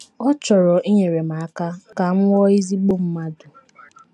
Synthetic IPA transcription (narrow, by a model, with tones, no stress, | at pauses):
ɔ˦t͡ʃɔ˨ɾɔ˨ʔi˦ɲe˨ɾe˨ma˨a˦ka˦ka˨ŋ̩˦ŋʷɔ˦i˦zi˦ɡ͡bo˦m̩˦ma˦dʊ˨